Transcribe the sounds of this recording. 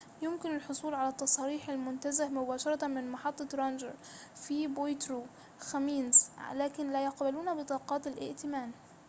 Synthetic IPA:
jʊmkɪnɪlħosˤuːlʕalæt̪ːɑsˤɑːɾiːħalmʊnt̪azahmʊbaːʃɑɾˤɑt̪mɪnmɑħɑt̪ˤːɑɾˤɑnd͡ʒɑ̰ɾfibojt̪ɾuː | xæmiːnzlaːkɪnlæjɑqbaluːnbɪt̪ˤɑːqɑːt̪alʔɪ̰ʔt̪ɪmaːn

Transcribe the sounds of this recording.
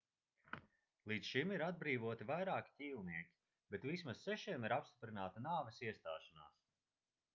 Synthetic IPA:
lˠiːt̪sʃimiɾad̪̚bɾiːvuɔt̪ivajɾaːkʲi̥cʲiːlˠniɛkʲi̥ | bet̪vismasːɛʃiɛmiɾapst̪i̥pɾinaːt̪anaːvɛsiɛst̪a̰ːʃana̰ːs

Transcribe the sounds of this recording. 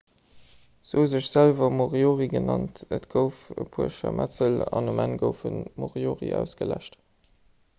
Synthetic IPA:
z̥ouzəʃz̥ælvɐmoʁjoːʁiɡənɑntətɡ̥əʊfəpʰuəʃɐmʔæt͡səlɑnumænɡəʊfənmoʁjoːʁḭæʊsɡ̥əlæʃt

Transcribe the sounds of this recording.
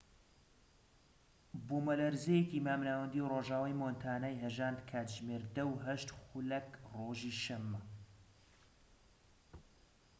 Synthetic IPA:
boːmɐlɐɾzejekimaːmnaːwɐnd̪iwroːʒaːwajmoːnt̪ʰaːnaːjɦɐʒaːnd̪kʰaːt̪ʒmeːɾd̪ɐwɦɐʃt̪xulɐkroːʒiːʃɐmːɐ

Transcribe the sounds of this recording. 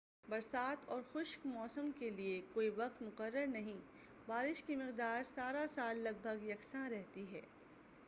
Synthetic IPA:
bɐɾsaːt̪ɔːɾxʊʃkmɔːsəmkeliekoːiʋɐqt̪mʊqəɾːəɾnɐɦĩ | baːɾɪʃkimɪqd̪aːɾsaːɾasaːlːɐɡ̚bʱəɡjɐksãɾɛɦt̪iɦɛ̰ː

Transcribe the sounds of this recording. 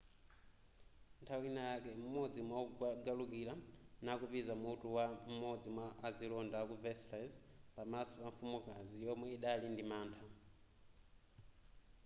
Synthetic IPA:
ntʰawinajakɛm̩mɔd͡zimwauɡalukilanakupizamutuwam̩mɔd͡zimwaːd͡zilɔndakuvɛslazpamasɔpamfumukazijɔmwɛiɗalindimaːntʰa

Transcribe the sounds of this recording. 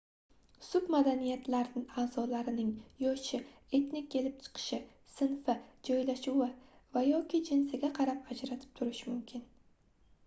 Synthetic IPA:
sʊbmad̪anijat̪laɾnɪaːz̥ɒlaɾɪnɪŋjɒʃɪ | e̞t̪nɪkʲːʰe̞lɪp̚t͡ʃʰɨ̥qʰɨ̥ʃɪ | sɪnfɪd͡ʒɒjlaʃʊwɪvajɒkʲʰɪd͡ʒɪnsɪɡʲaqʰɑɾapad͡ʒɾat̪ʰɪ̥p̚t̪ʰʊɾɪʃmʊmkʲʰɪn

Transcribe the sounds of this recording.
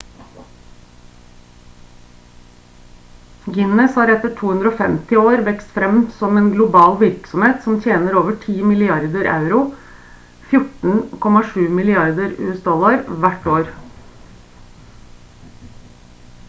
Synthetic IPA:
ɡɪnəshɑːɾɛt̪əʈʰuːhʉnd̪ɾoːfɛmt̪ɪoːɾʋɛkst̪fɾɛmsɔmeːnɡlʊbɑːlʋɪɾksɔmheːt̪sɔmt̪ʰjeːnəɾoːʋəʈʰiːmɪlɪɑɾd̪əɾʔɑ̰ʉɾʊ | fjʊʈɳ̩kʰɔmɑʂʉːmɪlɪɑɾd̪əɾʉ̰ːəsd̪ɔlɑɾʋæʈoːɾ

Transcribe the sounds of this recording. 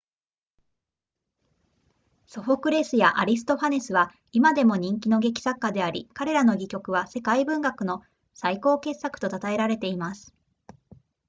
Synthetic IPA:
so̞ɸo̞kɯ̟ɾe̞ːsɨjaʔaɾʲis̬ɨ̥t̪o̞ɸane̞sɨβa | imad̪e̞mo̞ɲ̟ĩŋk̬ʲino̞ɡe̞kʲi̥sakːad̪e̞aɾʲikaɾe̞ɾano̞ɡʲikʲo̞kɯ̟β̞ase̞kaibɯ̟̃ŋɡakɯ̟no̞ | saiko̞ːke̞sːakɯ̟̥t̪o̞t̪at̪ae̞ɾaɾe̞t̪e̞imasɨ̥

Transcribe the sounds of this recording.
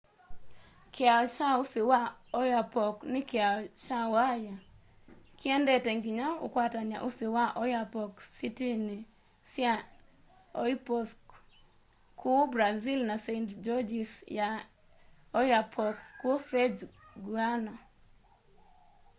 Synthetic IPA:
kʰeaʃausiwaɔjapɔknɪkeaʃawaja | kiɛndɛtɛŋɡiɲaṵkwataɲaʔusiwaʔɔjapɔksitini | sja | ɔipɔsk | kʰubɾazilnasentd͡ʒɔd͡ʒisja | ɔjapʰɔkːufɾɛd͡ʒɡuana

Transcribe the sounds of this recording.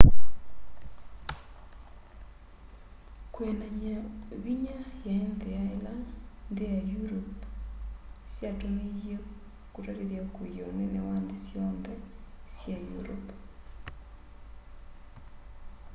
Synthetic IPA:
kwenaɲaβiɲajaendeaelandejajuɾop | sjatoneɣjo | kuɾaɾeðjaokojonenewaːndesjɔndɛsjajṵɾop

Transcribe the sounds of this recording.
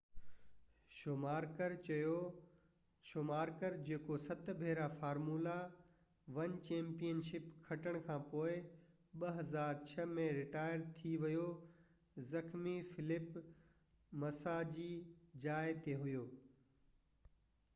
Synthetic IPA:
ʃomaːɾkəɾt͡ɕɐjo | ʃomaːɾkəɾd͡ʑeːkosɐt̪bʱeːɾafaːɾmuːla | ʋɐnt͡ɕẽːmpijənʃɪpkʰɐʈəɽ̃kʰãːpoːɪ | ɓɐɦɐzaːɾt͡ɕʰɐmẽɾɪʈaːɪjəɾt̪ʰiʋɐjo | zɐxmifɪlɪp | mɐsad͡ʑiːd͡ʑaːɪt̪ʰeɦʊjoː

